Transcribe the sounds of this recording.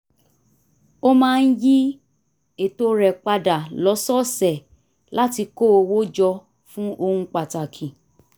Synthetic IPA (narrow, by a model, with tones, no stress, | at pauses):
o˦mãː˦˧n̩˦ji˦ | e˨to˧ɾɛ˨k͡pa˧da˨lɔ˨˦sɔ˦sɛ˨ | la˦ti˧ko˦o˧wo˦d͡ʒɔ˧ | fũ˦ʔo˧hũ˧k͡pa˨ta˨kʰĩ˨